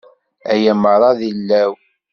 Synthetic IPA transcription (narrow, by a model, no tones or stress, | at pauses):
æjæməɾˤɑðilːæw